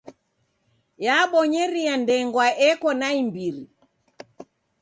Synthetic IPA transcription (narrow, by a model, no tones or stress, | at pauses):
jaɓɔɲɛɾiandɛŋɡwaʔɛkɔnaimbiɾi